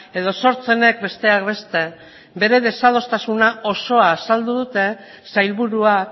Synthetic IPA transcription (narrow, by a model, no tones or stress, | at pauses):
e̞ð̞o̞so̞ɾt͡se̞ne̞k̚be̞st̪e̞akβe̞st̪e̞ | be̞ɾe̞ð̞e̞sað̞o̞st̪asunao̞so̞aːsald̪uðut̪e̞ | sajlβuɾuak